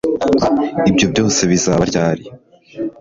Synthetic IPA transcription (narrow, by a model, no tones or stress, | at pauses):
ibɟo̞bɟo̞ːse̞βizaːβaɾɟaːɾi